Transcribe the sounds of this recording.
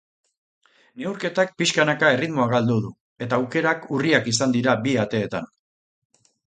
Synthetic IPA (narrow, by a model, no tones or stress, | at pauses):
ne̞uɾke̞t̪ak̚piʃkanakae̞rit̪mo̞aɣald̪uðu | e̞t̪aːwke̞ɾakuriakisand̪iɾabiat̪e̞ːt̪a̰n